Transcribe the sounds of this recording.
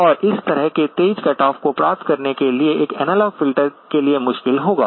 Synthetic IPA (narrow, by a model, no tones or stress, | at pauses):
ɔːɾɪst̪ɐɾəɦket̪eːd͡ʒkɛːʈɔːfkopɾaːp̚t̪kɐɾnekelieʔeːkɛnɛːlɔːɡfɪlʈəɾkeliemʊʃkɪlɦoːɡa̰ː